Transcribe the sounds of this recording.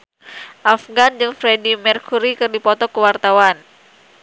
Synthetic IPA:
ʔafɡand͡ʒɨŋfɾedimɛrkuɾikɨrdipɔt̪ɔkəwart̪awan

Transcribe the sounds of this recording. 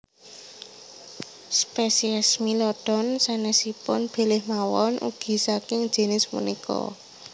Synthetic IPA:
spesiɛsmilɔd̥ɔ̤nsanɛsipʊnb̥e̤lɪhmawɔnʔṵɡ̥i̤sakɪŋ̥ʒ̥e̤nɪsmṵnikɔ̰

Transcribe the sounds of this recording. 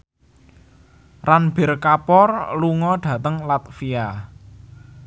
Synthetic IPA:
ranb̥erkapɔrluŋɔɖd̥ä̤t̪əŋlat̪̚fija

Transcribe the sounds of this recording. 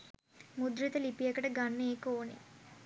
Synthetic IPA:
mud̪ɾit̪əlipijekəʈəɡanːəeːkəoːnḛ

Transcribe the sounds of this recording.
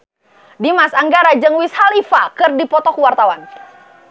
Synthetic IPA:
dimasaŋɡaɾad͡ʒəŋwishalifakɨrdipɔt̪ɔkuwart̪awan

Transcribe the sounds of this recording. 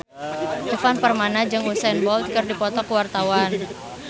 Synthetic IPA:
t̪əfanpərmanad͡ʒɨŋusɛnbɔlt̪kərdipɔt̪ɔkəwart̪awan

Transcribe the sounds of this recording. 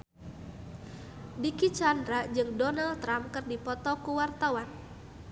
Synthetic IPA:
dikit͡ʃandɾad͡ʒɨŋdɔnalt̪ɾamkɨrdipɔt̪ɔkuwart̪awan

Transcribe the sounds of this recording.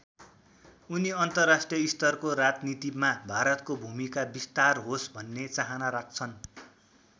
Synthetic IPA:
uniʌnt̪ʌrːasʈrijʌist̪ʌrkoɾad͡znit̪imabʱaɾʌt̪kobʱumikabist̪arɦosbʱʌnːet͡saɦanaɾak̚t͡sʰʌn

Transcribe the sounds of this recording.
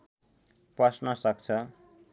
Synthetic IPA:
prʌsnʌsʌk̚t͡sʰʌ

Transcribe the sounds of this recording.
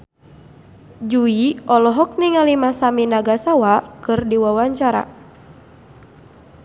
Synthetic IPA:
d͡ʒuiɔlɔɦɔk̚niŋalimasaminaɡasawakɨrdiwawaɲt͡ʃaɾa̰

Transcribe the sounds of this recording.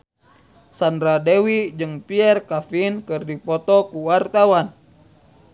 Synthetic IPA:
sandɾadɛwid͡ʒɨŋpiɛrkafinkɨrdipɔt̪ɔkuwart̪awan

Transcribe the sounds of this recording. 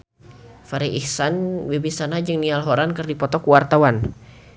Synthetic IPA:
faɾiihsanwebisanad͡ʒɨŋnialɦoɾankərdipɔt̪ɔkuwart̪awan

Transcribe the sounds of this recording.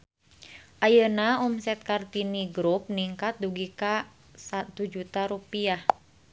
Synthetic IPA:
ʔajənaumsɛt̪̚kart̪iniɡɾup̚niŋkat̪̚duɡika | sat̪ud͡ʒut̪aɾupiah

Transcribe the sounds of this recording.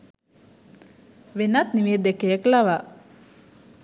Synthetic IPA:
ʋenat̪niʋied̪ekejəklaʋa

